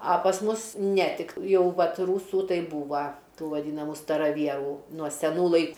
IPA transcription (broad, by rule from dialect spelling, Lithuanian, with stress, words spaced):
ɐ pɐs ˈmʊs nʲɛ ˈtʲɪk ˈjɛʊ ˈʋɐt ˈruːsuː ˈtɐɪ ˈbuːʋɐ ˈtuː ʋɐˈdʲiːnɐmʊ stɐrɐˈʋʲiɛruː nuɔ sʲɛˈnuː lˠɐɪ